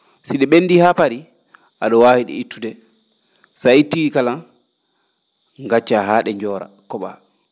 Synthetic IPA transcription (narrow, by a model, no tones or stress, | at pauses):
siɗɛɓendihapaɾi | ʔaɗɔwaːhiɗɛ̰itːudɛ | saitːikala | ŋɡat͡ʃːaɦaːɗɛɲd͡ʒɔːɾa̰ | kɔɓa̰